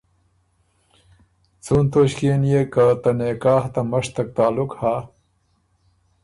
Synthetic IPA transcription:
t͡sunt̪oɕkeːnjekat̪ɐnekaːht̪amɐʂt̪ɐk̚t̪aːlukhaː

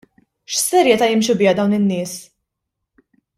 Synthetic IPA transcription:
ʃsɛɾjɛt̪ɐjɪmʃubɪːɐd̪ɐwnɪnːɪːs

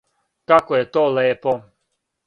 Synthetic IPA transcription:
kakɔjɛt̪ɔlˠɛɛpɔ

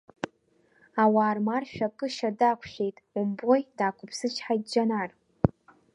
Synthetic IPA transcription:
awaːrmarʃᶣakʼɨʃadakʷʰʃʷᶣe̞jtʼʊmbojdaːkʷʰʊpʰsɨt͡ʃʰħajt̚ʼd͡ʒanar

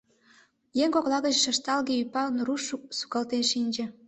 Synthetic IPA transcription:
jeŋkoklɑɣəʑeʃə̆ʃt̪ɑlɣeypɑlənruʃusu̥kɑlt̪enʃinʲd͡ʑĕ

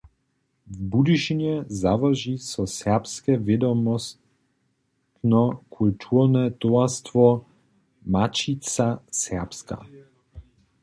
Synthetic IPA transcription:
vbud̪iʃinɛzavaʒisɔsɛpskɛved̪ɔmɔs | t̪nɔkʰult̪ʰuɾnɛt̪oast̪vɔ | mat͡ʃit̪sasɛpska̰

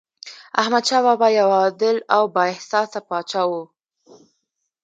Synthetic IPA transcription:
a̰hmad̪ʃɑβɑbajawɑd̪ɪlawbɑɪhsɑsapɑt͡ʃɑwu

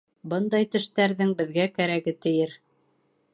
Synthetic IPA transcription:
bɤnd̪ɑjt̪ɘ̆ʃt̪æɾðɘŋbɘ̆ðɡækæɾæɡɘt̪ɘ̆jɘɾ

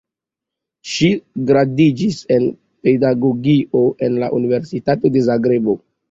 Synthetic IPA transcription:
ʃiɡɾadid͡ʒise̞n | pe̞daɡoɡiʔo̞ʔe̞nlaʔunive̞ɾsitato̞de̞zaɡɾebo̞

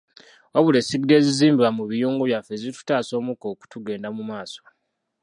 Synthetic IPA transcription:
waβule̞siɡde̞ːziziːmbiβamuβijuːŋɡuβjafe̞zitu̥taːso̞ːmuko̞ːku̥tuɡe̞ːndamumaːso̥

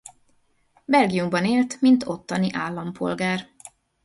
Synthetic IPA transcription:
bɛlɡijumbɒneːlt̪mint̪o̞t̪ːɒniʔaːlːɒmpʰo̞̰lɡaːr

